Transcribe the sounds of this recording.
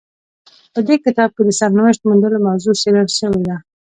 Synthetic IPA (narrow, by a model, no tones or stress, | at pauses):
pəd̪ekɪt̪ɑb̚ked̪əsaɾnawəʃt̪mund̪əlomawzusewaɾʃəwed̪a